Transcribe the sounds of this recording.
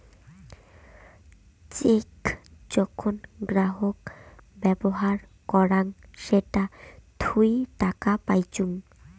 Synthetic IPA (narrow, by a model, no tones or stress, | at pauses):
t͡ɕekd͡ʑɔkʰonɡɾaɦokbɛboɦaɾ | kɔɾaŋʃeʈat̪ʰujʈakapajt͡ɕuŋ